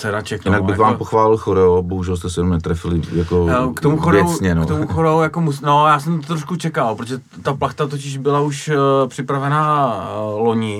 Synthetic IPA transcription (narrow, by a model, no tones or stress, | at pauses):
sɛɾat͡ʃɛkjɪnaɡbɪɣvaːmpoxvaːlɪlxoɾɛoboɦuʒɛlst̪ɛsɪɛnomnɛt̪ɾɛfɪlɪjakokt̪omuxoɾjoɛwsɲɛno̰t̪omuxoɾowjakomusnojaːsɛmt̪ːɾoʃkut͡ʃɛkalpɾot̪oʒɛ | t̪aplaxt̪at̪̬ocɪʒbɪlauʃpr̥ɪpɾavɛnaː | lo̞ɲɪ